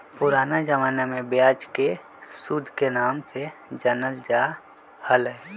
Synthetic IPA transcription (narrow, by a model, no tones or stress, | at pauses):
pʊɾaːnad͡ʒəʋaːnamẽbjaːd͡ʒke | sud̪ʱkenaːmsed͡ʒənəld͡ʒa | hələ